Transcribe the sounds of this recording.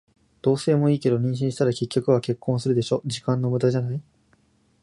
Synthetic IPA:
d̪̥o̞ːse̞ːmo̞iːke̞d̪o̞ɲ̟ĩɕ̬ĩɕi̥t̪aɾakʲe̞kʲːo̞kɯ̟β̞ake̞kʰːõɰ̃sɨɾɯ̟d̪e̞ɕo̞d͡ʑikãnːo̞mɯ̟d̪aʑanai

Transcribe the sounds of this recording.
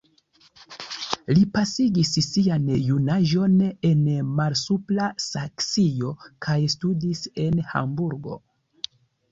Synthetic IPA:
lipasiɡissianjunaʒo̞ne̞nmalsuplasaksijo̞kʰajstudise̞nha̰mbuɾɡo̞̰

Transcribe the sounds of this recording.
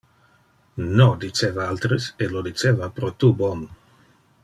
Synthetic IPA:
nod̪it͡ʃeːvaalt̪ɾeselod̪it͡ʃeːvapɾot̪ubɔn

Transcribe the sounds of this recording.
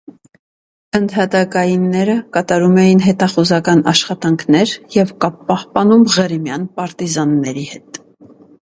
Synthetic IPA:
ənt̪ʰhɑt̪ɑkɑjinːɛɾəkɑt̪ɑɾumɛjinɦɛt̪ɑχuzɑkɑnɑ̰ʃχɑt̪ɑŋkʰnɛɾjɛvkɑppːɑhpɑnumʁəɾimjɑnpɑɾt̪izɑnːɛɾihɛt̪

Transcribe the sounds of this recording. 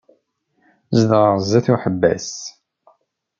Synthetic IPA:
zd̪ʁəʁˤzæθuħəbːæ̰s

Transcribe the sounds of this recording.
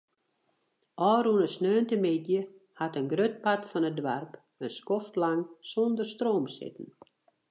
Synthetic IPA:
ʔɔːɾunəsnøːntəmɪdjə | hatənɡrøt̚patfɔnədwarp | ənskɔftlaŋsondərstroːmsɪ̰tn̩

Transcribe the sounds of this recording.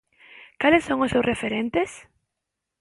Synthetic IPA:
kalɪsːõŋʊssewsrʔefeɾent̪ɪs

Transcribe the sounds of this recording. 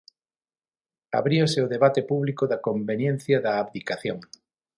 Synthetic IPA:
a̰βɾioseʊðeβat̪epuβlikoðɐkombenjẽn̟θjɐðɐːβðikaθjoŋ

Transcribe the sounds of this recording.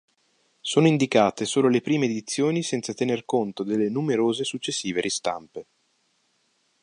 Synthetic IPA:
soːnoind̪ikaːt̪esoːlolepɾiːmeːd̪it̪sːjoːnisɛnt̪sat̪enerkont̪od̪elːenumeɾoːzesut͡ʃːesːiːveɾʔist̪a̰mpe

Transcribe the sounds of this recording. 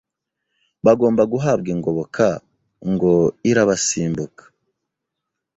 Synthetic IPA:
βaɡo̞ːmbaɡuɦaːb̚ɡiŋɡo̞βokʰa | ŋɡo̞iɾaβasiːmbukḁ

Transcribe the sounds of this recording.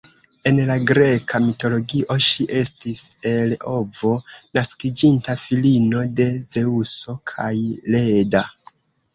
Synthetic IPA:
e̞nlaɡɾe̞kamito̞lo̞ɡiʔo̞ʃiʔe̞stise̞lo̞vo̞naskid͡ʒintafilino̞de̞ze̞uso̞kʰajle̞da

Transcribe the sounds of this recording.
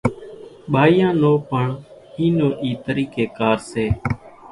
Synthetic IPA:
ɓʱaːiːãːnoːpəɳhiːnoːʔiːt̪əɾiːkeːkaːɾseː

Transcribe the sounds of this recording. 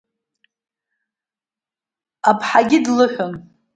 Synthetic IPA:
apʰħaɡʲɪdlɨħʷᶣʊn

